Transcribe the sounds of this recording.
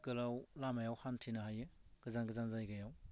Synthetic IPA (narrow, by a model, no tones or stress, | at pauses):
ɡɯlawlamajawhantʰinahajɯɡ̥ɯzanɡɯzanzajɡajaw